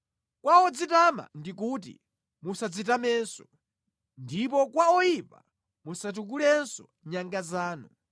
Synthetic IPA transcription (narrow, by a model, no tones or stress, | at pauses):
kwaɔd͡zitama̰ndik̬ut̬ḭ | musad͡zitamɛːnsɔ | ndipɔkwaɔjipa̰ | musat̬uk̬ulɛnsɔ | ɲaŋɡazaːnu